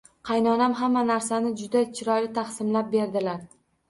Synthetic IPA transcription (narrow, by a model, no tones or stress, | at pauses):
qʰɑjnɒnamɦamːanaɾsanɪd͡ʒʊd̪at͡ʃʰɪɾɒjlɪt̪ʰaχsɪmlap̚be̞ɾd̪ɪlaɾ